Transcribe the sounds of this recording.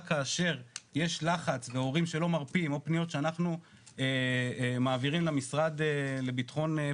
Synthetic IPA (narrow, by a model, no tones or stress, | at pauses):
kaːʃe̞ʁje̞ʃlaχat͡sve̞o̞ʁimʃe̞lo̞maʁpiimo̞pnijo̞t̪ʃeanaχnu | emaːviʁimlamisʁad̪ele̞bitχo̞n